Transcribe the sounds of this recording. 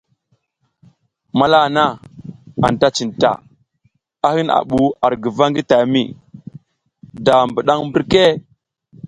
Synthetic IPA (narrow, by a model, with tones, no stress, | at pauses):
ma˦la˦˨na˦ | a̰˨n˨ta˦t͡ʃi˨nta̰˨ | a˦hi˦na̰˨ɓu˨a˨ɾɡə˨va˦ŋɡi˦ta˨mḭ˦˨ | da˨mbə˨ɗa˦ŋmbə˦ɾke˦˨